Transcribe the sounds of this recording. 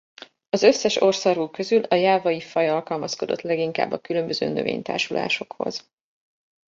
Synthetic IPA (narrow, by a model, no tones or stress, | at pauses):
ɒzø̞sːɛʃo̞rsɒɾuːkø̞zylɒjaːvɒjifɒjɒlkɒlmɒsko̞d̪o̞̰t̪lɛɡiŋka̰ːbːɒkylø̞mbøzø̰ːnø̞̰vḛːɲt̪a̰ːrʃula̰ːʃo̞kho̞̰z̥